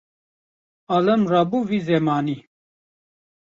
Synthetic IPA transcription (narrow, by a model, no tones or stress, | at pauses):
alɐmrabuvizɛmaːni